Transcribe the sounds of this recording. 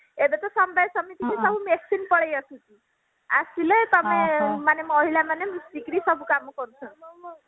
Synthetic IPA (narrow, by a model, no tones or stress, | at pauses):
ebet̪ɔsɔmbajsɔmit̪ikɾisɔbʱumeksinpɔɭejasũt̪i | a̰silet̪ɔmemanemɔɦilamanemisd̪ikɾisɔbʱukamɔkɔɾut͡ʃʰɔ